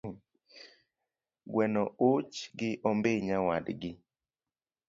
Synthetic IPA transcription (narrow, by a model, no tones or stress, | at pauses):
ɡwɛnɔot͡ʃɡɪʔɔmbeɲawadɡɪ